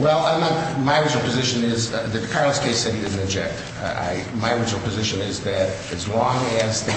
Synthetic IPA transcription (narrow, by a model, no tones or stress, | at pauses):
wɛlˠʌ̃məmaɪɹɪd͡ʒl̩ˠpʰɨzɪʃɨ̃nɪzðɨkʰɑɹlˠəskʰeɪsɛɾ̚idɪdⁿn̩tɨd͡ʒɛk̚t | a̰ɪmaɪɹɪd͡ʒl̩ˠpʰɨzɪʃɨ̃nɪzðɨɾ | ɨzlɔ̃ŋɨzðɨ